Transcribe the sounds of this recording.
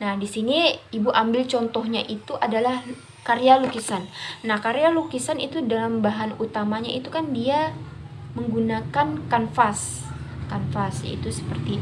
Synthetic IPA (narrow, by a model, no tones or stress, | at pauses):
nahdisiniibuʔambɪlt͡ʃɔnt̪ɔɦɲaʔit̪uʔadalah | kaɾealukisanːahkaɾealukisanḭt̪udalambaɦanut̪amaɲait̪ukandia | məŋɡunakankanfas | kanfasja̰ḭt̪usə̥pərt̪i